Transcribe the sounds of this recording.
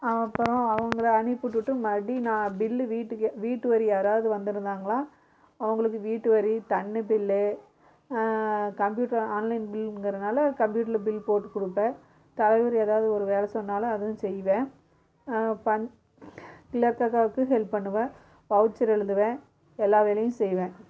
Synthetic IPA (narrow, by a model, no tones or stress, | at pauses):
ɐpːɾɔ̃ɐʋɐŋɡɐɭɐɐnɪpːɯʈːɯʈːɯmɐɽinãːbɪlːʋiːʈːɯʋiːʈːɯʋɐɾiaːɾaːʋɐðɯʋɐnd̪ɪɾɯnd̪aːŋɡɐɭãː | ɐʋɐŋɡɐɭɯk̬ːɯʋiːʈːɯʋɐɾit̪ɐɳːɯbɪlːɯ | kɐmpjuːʈːɐɾaːnlɐɪnbɪlɡɾɐðɯnaːlɐkɐmpjuːʈ̬ːɐɾlbɪlpoːʈːɯkʊɽɯpːẽː | t̪ɐlɐʋʊɾieːðaːʋɐðɯɔɾɯʋeːlɐsɔnːaːlɐɐðɯʋʊ̃sɛjʋẽː | pɐɲ | kɪlɐɾkakaːʋɯkːɯɦɛlppɐɳːɯʋɐ̃ | pɐʋɯt͡ʃːɐɾɛɻɯðɯʋẽː | ɛlːaːʋeːlɐjɯ̃sɛjʋẽː